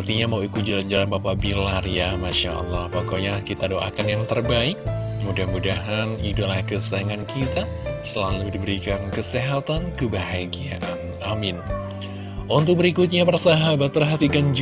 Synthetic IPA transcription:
rt̪iɲamauikut̪̚d͡ʒaand͡ʒalanbapabilarjamaʃaʔɑ̰lːahpakoɲakit̪adoʔa̰kanjaŋt̪ərbaɪk̚mudahmudaɦanidolakəsaaŋankit̪a | səlaludibəɾikankəseɦat̪ankəbaɦaɡiaʔanʔamɪn | ʔunt̪ʊk̚bəɾikʊt̪̚ɲapərsaɦabat̪̚pərɦat̪ikand͡ʒ

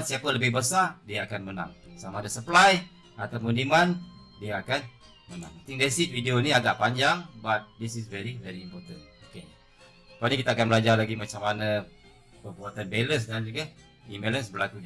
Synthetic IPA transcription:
nsiapələbɪhbəsadiaːkanməna̰ŋsamadəsəplaj | at̪amuniman | diaːkan | məna̰ŋt̪iŋdesit̚videoniaɡaʔpaɲd͡ʒaŋbat̪̚disisvɛɾivɛɾiːmpɔt̪ə̰̃noke | kanikit̪aːkanmbəlad͡ʒarlaɡimat͡ʃamana | pəpuat̪ən̚beləs̬dand͡ʒuɡa | imelənsbərlakud

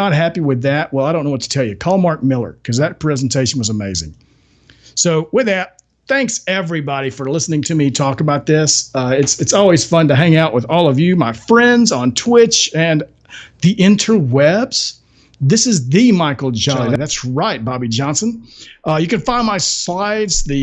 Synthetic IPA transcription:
ət̚ɦæpiwɨðæt̚wɛlˠaɪɾõʊ̃noʊwʌtʰə̥tʰɛlˠjɨkʰɔlˠmɑɹk̚mɪlˠə̰˞kʰʌzðɨt̚pʰɹ̥ɛzn̩tʰeɪʃn̩wʌzəmeɪzɪ̰̃ŋ | soʊwɨðɨt̪̚ | θæ̃ŋksɛvɹibɑɾifə˞lɪsnɪ̃ŋtʰɨmitʰɔkəbaʊt̪̚ðɪsʌɪtsɨtsɔlˠwiz̥fʌ̃ntɨɦæ̃ŋaʊʔwəðɔlˠʌvjɨmaɪfɹɛ̃ndzn̩tʰw̥ɪt͡ʃɨ̃n | ðiʔɪ̃ntʰə˞wɛbz̥ | ðɪsɨzðɨmaɪkl̩ˠd͡ʒɑðɨðætsɹaɪt̚b̥ɑbid͡ʒɑ̃nsɨ̃nʔʌjɨkɨ̃nfãɪ̃nmaɪslaɪdz̥ðɨ

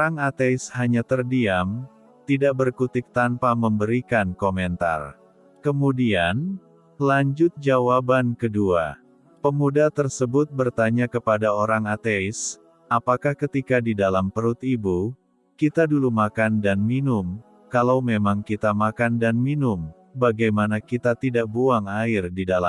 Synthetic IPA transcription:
oɾaŋat̪eɪshaɲat̪ərdiam | t̪idaʔ̚bərkut̪ɪk̚t̪anpaməmbəɾikankomɛnt̪a̰r | kəmudian | laɲd͡ʒʊt̪̚d͡ʒawabankədua̰ | pəmudat̪ərsəbʊt̪̚bərt̪aɲakəpadaoɾaŋat̪eɪs | apakahkət̪ikadidalampəɾʊt̪ibu | kit̪adulumakandanminʊm | kalawmemaŋkit̪amakandanminʊm | baɡajmanakit̪at̪idaʔ̚buaŋaɪrdidala

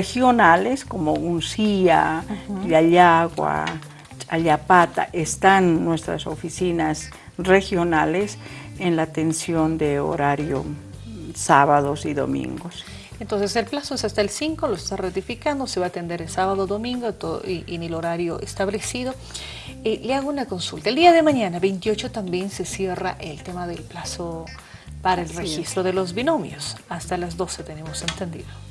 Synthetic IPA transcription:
exjonaleskomounsiaʎaʎaɣwa̰ | t͡ʃʼaʎapat̪a̰ʔest̪anːwest̪ɾa̰so̰fisinas | rexjonalesenlat̪ensjond̪eo̰ɾaɾjo̰ | saβaðosiðo̰mḭ̃ŋɡos | ent̪o̞ns̬e̞se̞lplasoesast̪aelsiŋkoloest̪arat̪ifikand̪ose̞βaːt̪e̞nd̪e̞ɾelsaβaðoðomĩŋɡot̪oðo̰iʔinelo̞ɾaɾjoʔest̪aβle̞siðo̞ | ileaɣounako̞nsult̪ald̪iaðe̞maɲanaβe̞jnt̪jo̞t͡ʃo̞t̪ambje̞nse̞sje̞raʔelt̪emaðelplaso | paɾaelrexist̪ɾoðelo̞zβino̞mj̰osast̪alazd̪o̞se̞t̪e̞ne̞mo̞se̞nt̪e̞nd̪ḭðo

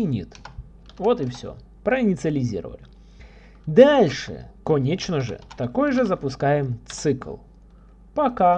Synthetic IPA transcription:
nʲḭt̪ | vot̪ɪfsʲo̰ | pɾəɪnʲɪt̪sɨəlʲɪzʲḭɾə̰və̰lʲɪ | d̪alʲʂɨ̰kɐnʲet͡ɕnəʐɨ̰t̪ɐko̞jʐɨzəpʊskajɪmt̪sɨklˠ | pɐka

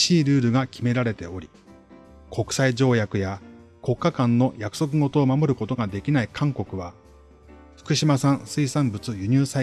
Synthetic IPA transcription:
ɕiːɾɯ̟ːɾɯ̟ɡakʲʰime̞ɾaɾe̞t̪e̞o̞ɾʲi | kʰo̞kɯ̟̥said͡ʑo̞ːjakɯ̟ja | ko̞kːakãnːo̞jakɯ̟̥so̞k̬ɯ̟ɡo̞t̪o̞ːmamo̞ɾɯ̟ko̞t̪o̞ɡad̪e̞kʲinaikʰãŋko̞kɯ̟βa | ɸɯ̥kɯ̟ɕimasãɰ̃sɨisãmbɯ̟t͡sɨjɯ̟ɲ̟ɨːsa

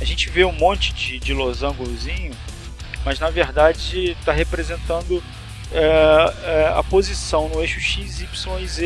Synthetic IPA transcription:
ɐʒẽnt͡ʃɪveũmõnt͡ʃɪ̥d͡ʒɪd͡ʒɪlozɐ̃ŋɡʊlʊzĩɲʊ | mɐznɐveɾd̪ad͡ʒɪt̪aɦepɾezẽnt̪ɐ̃nd̪ʊ | ɛɛɐ̰pozisɐ̃w̃nʊeʃʊʃizipsõwize

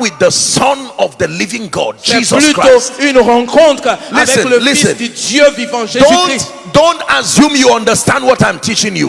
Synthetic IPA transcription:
wɪðəsʌ̃nɔvðəlivɪ̃ŋɡɔ̰d̚d͡ʒizɔslkɹ̥aoynʁɑ̃kɔ̃t̪χlivɛɛ̃ləlisɨ̃nd̪djøvivɑ̃ʒedon | dõntasjũmjuʌ̃ndəstæ̃nd̚wɔtãj̃mtʰit͡ʃɪ̃ŋjṵ

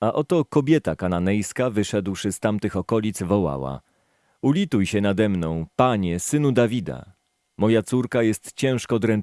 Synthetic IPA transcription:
aʔɔt̪ɔkɔbʲjɛt̪akananɛjskavɘʂɛd̪wʂɘst̪amt̪ɘxɔkɔlʲit̪svɔwa̰wa̰ | ulʲit̪ujɕɛnad̪ɛmnɔ̃w̃paɲɛsɘnud̪avʲid̪a̰ | mɔjat̪suɾkajɛst̪t͡ɕɛ̃w̃ʂkɔːd̪ɾɛn

